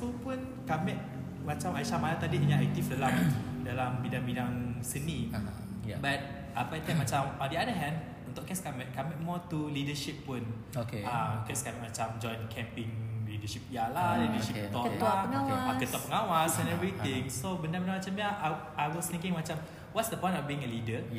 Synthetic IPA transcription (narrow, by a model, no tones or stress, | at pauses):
supun | kamɛʔ̚ | mat͡ʃamajʃamalat̪adidəɲãʔɛk̚t̪ifdalamdalambidãŋbidaŋsəni | bat̚ | ʔapat̪amat͡ʃamɔʔdiadəɦɛ̃nd | ũnt̪ʊʔkɛskamɛʔkamɛʔ̚mɔt̪ulidəʃipːun | okeamkɛskamɛʔ̚mat͡ʃamd͡ʒɔ̃jnkʰɛ̃mpɪ̃ŋlidəʃip̚jalalidəʃit̪ɔəaəŋawakət̪ɔʔpəŋawasɛ̃nɛvɾit̪ɪ̃ŋsobəndãbəndamat͡ʃamjaa | ajwɔsnikɪ̃ŋmat͡ʃam | wɔtsdəpɔ̃j̃nɔfbiĩŋəlidə